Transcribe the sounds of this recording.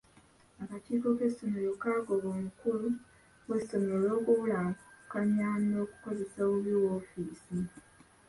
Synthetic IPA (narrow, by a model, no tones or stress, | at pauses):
akatiːko̞ke̞sːomojo̞kaːɡo̞βoːmukulu | wwe̞so̞ɲolo̞ːkuulakaɲaːno̞ːku̥ko̞ze̞saːβuβiwoːfiːsi